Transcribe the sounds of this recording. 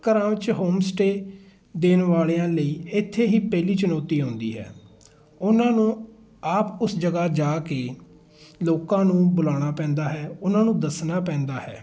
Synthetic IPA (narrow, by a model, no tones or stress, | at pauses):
kəɾãːʋɪt͡ʃɦoːmsʈeː | d̪eːnʋaːleːãːləiːɪt̪ʰːeːɦiːpɛːliːt͡ʃʊnɔːt̪iːɦõːnd̪ḭːɦɛ̰ː | ʊnãːnũː | aːpʊsd͡ʒəɡaːd͡ʒaːkeː | loːkãːnũːbʊlaːɽ̃aːpɛ̃ːnd̪aːɦɛːʊnãːnũːd̪əsnaːpɛ̃ːnd̪aːɦɛ̰ː